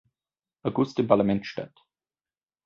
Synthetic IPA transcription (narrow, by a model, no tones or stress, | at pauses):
ʔaɡʊstɪmpʰalamɛntʃta̰t